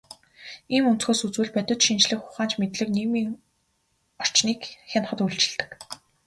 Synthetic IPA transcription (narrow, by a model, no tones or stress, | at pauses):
iːmunt͡s̪xoːsut͡suːɮpœt̪ʲʊ̆t͡ɕʃint͡ɕɮɘ̆kχʊχaːnt͡ɕmet̪ɮɘ̆kniːmiːŋ | ɔr̥t͡ɕniːkxʲen̆χə̆t̪ujɮt͡ɕɪ̆ɮt̪ɘ̆k